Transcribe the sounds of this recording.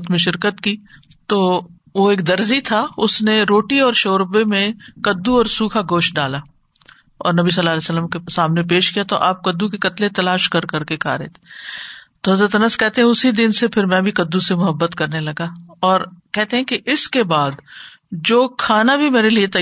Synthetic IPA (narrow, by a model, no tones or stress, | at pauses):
t̪mẽʃɪɾkət̪kit̪oː | ʋoeːk̚d̪ɐɾzit̪ʰaʊsneɾoːʈiɔːɾʃoːɾbemẽkɐd̪ːuɔːɾsuːkʰaɡoːʃʈ̚ɖaːla | ɔ̰ːɾnɐbis̬ɐlːaːlɛːsəlːəmkesaːmnep̬eːʃkijat̪oʔaːp̚kɐd̪ːukekɐt̪let̪ɐlaːʃkɐɾkɐɾkekʰa̰ːɾḛːt̪ʰe̥ | t̪oɦɐzɾət̪ɐnəskɛɦt̪eɦɛ̃ʊsid̪ɪnsepʰɪɾmɛ̃bʱikɐd̪ːusemʊɦəbːət̪kɐɾnelɐɡaɔːɾkɛɦt̪eɦɛ̃kiʔɪskebaːd̪ | d͡ʒoːkʰaːnabʱimeːɾeliet̪ɐ